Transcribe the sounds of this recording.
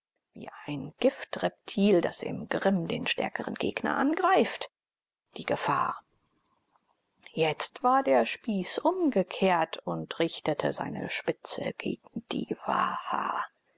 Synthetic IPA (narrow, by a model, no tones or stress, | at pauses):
vḭːʔaɪnɡ̥ɪftʁɛp̚tʰiːldasɪ̰mɡʁɪmdeːnʃtɛ̰ɐkəʁə̰nɡ̥ḛːɡnɐ̰ʔanɡʁaɪft | d̥iːɡəfa̰ːɐ | jɛt͡stv̥aːɐdeːɐʃpiːsʔʊmɡəkʰeːɐtʰʊntʁɪçtətʰəza̰ɪnə̰ʃpɪt͡sə̰ɡ̥ḛːɡŋ̩d̥ḭːva̰ha̰ː